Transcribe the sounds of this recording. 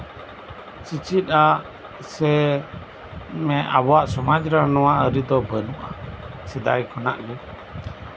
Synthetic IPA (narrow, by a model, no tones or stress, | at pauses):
t͡ʃit͡ʃit̪̚ˀa | sɛ | mɛʔabɔwaʔsɔmad͡ʒɾanɔwaʔəɾid̪ɔbənuʔasid̪a̰jkʰɔnaʔɡɛ